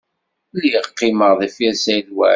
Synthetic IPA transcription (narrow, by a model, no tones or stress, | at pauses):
liʁqːiməʁðˤifjæsæjlwæ̰